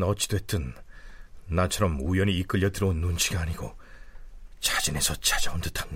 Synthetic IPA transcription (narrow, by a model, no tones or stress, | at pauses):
nʌt͡ɕ͈ʰi̥dowet͈ɯnː | at͡ɕʰʌɾʌmujʌniːk͈ɯʎːʌdɯɾʌonːunt͡ɕʰiɡaːɲiɡo | t͡ɕad͡ʑine̞sʰʌt͡ɕad͡ʑaondɯ̥tʰan